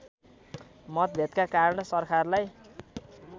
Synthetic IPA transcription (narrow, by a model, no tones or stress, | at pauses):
mʌt̪̚bʱet̪kakaɾʌnʌsʌrkʰarlaj